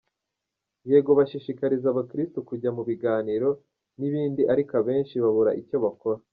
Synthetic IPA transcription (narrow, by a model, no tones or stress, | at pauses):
je̞ːɡo̞βaʃiʃikaɾizaβakɾistukuɟamuβiɡaːniɾo̞ | niβiːndiʔaɾikaβe̞ːnʃiβaβuɾa̰ʔico̞βako̞ɾa